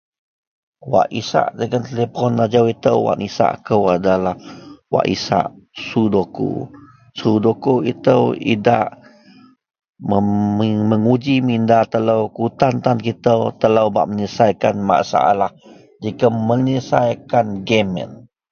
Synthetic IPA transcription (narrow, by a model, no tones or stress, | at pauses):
wa̰ʔisa̰ʔdəɡant̪elepɔnːad͡ʒawit̪əwwa̰ʔnisa̰ʔkəwadalahwa̰ʔisa̰ʔsudoko̰ | sudokoit̪əwḭda̰ʔ | əməŋud͡ʒimindat̪ələwkut̪ant̪ankit̪əwt̪ələwba̰ʔməɲisajkanma̰ʔsa̰ʔa̰lah | d͡ʒikaməɲisajkanɡemə̰n